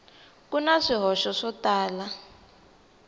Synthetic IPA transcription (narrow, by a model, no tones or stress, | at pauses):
kunaʂiɦɔʃɔʂɔtaːla